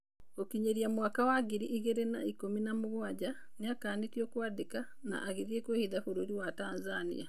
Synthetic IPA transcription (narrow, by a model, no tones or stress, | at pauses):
okiɲeɾjamwakawaɡiɾiːɣeɾenaikominamuɣwaɟa | niakaːnitjokwaːdika | na̰ʔːɣiðjekweːhiðafuɾuɾiwataːnzanḭa